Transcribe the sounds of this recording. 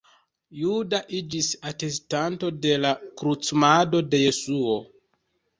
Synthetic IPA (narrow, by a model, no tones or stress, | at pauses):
judaʔid͡ʒisate̞stanto̞de̞lakɾut͡smado̞de̞je̞suo̞